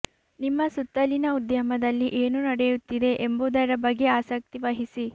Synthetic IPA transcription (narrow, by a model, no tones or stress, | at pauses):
nimːɐsut̪ːɐlinɐud̪jɐmɐd̪ɐlːiʔeːnunɐɽɛjut̪ːid̪e̞ʔemboːd̪ɐɾɐbɐɡːe̞aːsɐk̚t̪iʋɐɦisi